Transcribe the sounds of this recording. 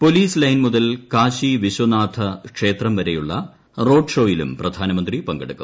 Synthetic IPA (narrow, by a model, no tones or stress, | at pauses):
po̞liːslɐjnmuðɐlkaːɕiʋiɕwɐnaːt̪ʰɐkʂe̞ːt̪rɐmʋɐɾejuɭːɐ̰ | ro̞ːɖʂo̞ːjilṵmprɐd̪ʱaːnɐmɐnd̪ripɐŋɡɐɽukːɐm